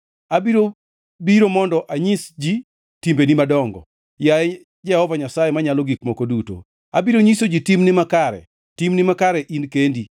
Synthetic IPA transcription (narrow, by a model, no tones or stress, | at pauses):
abiɾo | biɾomɔndɔʔaɲisd͡ʒi | timbenimadɔŋɡɔ̰ | jaɛ | d͡ʒɛhɔvaɲasajemaɲaloɡik̚mɔkoduto̰ | abiɾoɲisod͡ʒitimnɪmakaɾɛ̰ | timnɪmakaɾɛʔinkendi